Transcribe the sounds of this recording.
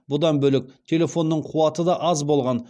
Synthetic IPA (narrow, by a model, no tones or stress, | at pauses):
bʊd̪ɑnbɵlɪk̚t̪ʲʰe̞le̞fo̞nːəɴqʰuwɑt̪əd̪ɑʔɑzbo̞lˠʁɑn